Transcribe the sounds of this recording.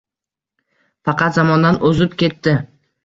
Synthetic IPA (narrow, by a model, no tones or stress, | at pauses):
fɑqʰɑt̪zamɒnd̪anɵzɪpkʲe̞t̪ːɪ